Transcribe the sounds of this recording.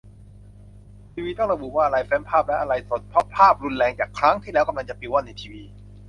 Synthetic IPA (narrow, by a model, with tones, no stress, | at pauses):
t̪ʰiː˧wiː˧t̪ɔ˥˩ɾa˧bu˨˩waː˥˩ʔa˧ɾa˧jfɛː˦˥npʰaː˥˩p̚lɛ˦˥ʔa˧ɾa˧jso˨˩t̪̚pʰɾɔ˦˥pʰːaː˥˩p̚ɾu˧nlɛː˧ŋt͡ɕaː˨˩kʰɾa˦˥ŋt̪ʰiː˥˩lɛː˦˥wka˧mla˧ŋt͡ɕa˨˩piː˨˧˩wa˥˩nːa˧jt̪ʰiː˧wiː˧